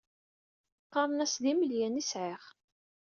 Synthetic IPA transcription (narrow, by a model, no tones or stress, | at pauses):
qːɑɾˤnæsðiməljænisʕɪχ